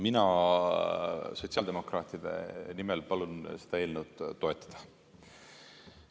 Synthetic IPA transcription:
minɑ | so̞t̪ʲsiɑld̪e̞mo̞krɑːt̪ˑid̪̥e̞̰nimelpɑlunse̥d̪̥ɑe̞ːlnewt̪ːo̞e̞t̪ːˑɑ̥d̪̥ɑ̥

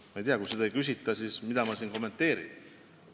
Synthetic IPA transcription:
mɑejt̪iɑkujsed̪ɑejkys̬it̪ːˑɑsismid̪̥ɑmɑsiːnko̞mːent̪ːˑe̞ːɾḭn

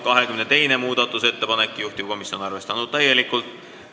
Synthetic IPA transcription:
kɑɦe̞kymnet̪e̞jne̞muːd̪̥ɑt̪ːˑuse̞t̪ːe̞pɑnekːˑjuht̪iv̥ko̞misːo̞nɑrve̞st̪ɑnud̪̥̚t̪æje̞likːˑult̪ˑ

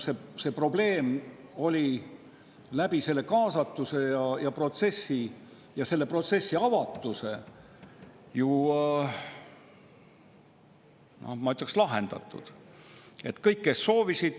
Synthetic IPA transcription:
sese̞pro̞ble̞ːmo̞lʲi | læb̥ise̞lːe̞kɑːsɑt̪ˑːuse̞jɑjɑpro̞t̪se̞sːi | jɑse̞lːe̞pro̞t̪se̞sːiɑvɑt̪ːˑuse̞ | ju | nohmɑyt̪jɑkslɑɦe̞nd̪̥ɑ̰t̪ːˑṵd̪̥ | e̞t̪ːkɤjkːe̞sːo̞ːvisid̪̥

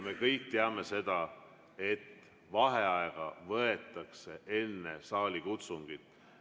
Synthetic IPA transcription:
me̞kɤjk̚t̪eɑme̞se̞d̪̥ɑ | e̞t̪ː | vɑɦe̞ɑeɡ̥ɑvɤet̪ˑːɑkse̞ʔe̞nːesɑːlʲikut̪suŋɡ̥it̪ːˑ

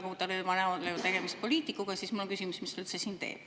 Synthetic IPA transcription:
kut̪ɑlevɑneolːet̪eɡ̥e̞mist̪̚po̞liːt̪ikːˑuɡ̥ɑsismulːoŋkysimusmistelsesiːnt̪e̞̰ːb̥

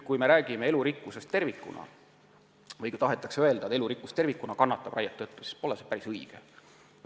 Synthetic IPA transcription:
kujme̞ɾæːɡ̥imee̞luɾikːˑuse̞st̪ːe̞rvikːˑṵnɑ̰ | vɤjkujt̪ɑɦet̪ːˑɑkseøe̞ld̪ɑet̪e̞luɾikːˑust̪e̞rvikːˑunɑkɑnːɑt̪ːˑɑb̥rɑjɑt̪ːɤt̪ːˑusi̥spo̞lesepæɾisɤjɡ̥e

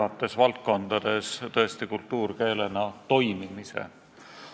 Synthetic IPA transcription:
ɑt̪ːˑe̞svɑlt̪̚ko̞nd̪̥ɑd̪̥e̞st̪ɤ̞est̪ikult̪ːˑuːrke̞ːle̞nɑt̪o̞jmimisḛ

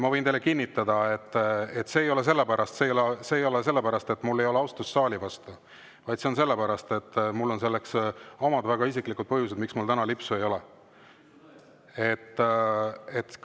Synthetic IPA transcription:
mɑvɤ̞jnt̪ejlːekinʲːit̪ːˑɑd̪̥ɑet̪ːet̪se̞ːjo̞les̬e̞lːepæɾɑst̪seːjoleseːjo̞les̬e̞lːepæɾɑst̪e̞t̪ːˑmulːe̞jo̞leɑwst̪usːɑːlʲivɑst̪u | vɑjd̪̥se̞o̞ns̬e̞lːepæɾɑst̪e̞t̪ːˑmulːo̞ns̬e̞lːekso̞mɑd̪væɡ̥ɑisiklikud̪̚pɤɦjus̬ed̪miksmult̪ænɑlipsuejo̞le | et̪ː | et̪

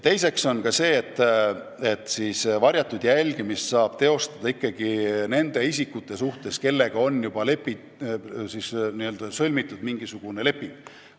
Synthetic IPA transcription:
t̪e̞jse̞kso̞nkɑse̞ːet̪ːˑ | e̞t̪ːˑsiːsvɑɾjɑt̪ːˑud̪̥jælʲɡ̥imist̪sɑːb̥t̪e̞o̞st̪ɑd̪̥ɑikːɑɡ̥ine̞nd̪̥e̞is̬ikːˑut̪ːˑe̞suht̪e̞ske̞lːe̞ɡ̥ɑo̞nːjub̥ɑle̞pːi | sisniø̞ld̪̥ɑsɤlʲmit̪ːˑud̪miŋɡ̥isuɡ̥une̞le̞pːˑiŋɡ̥

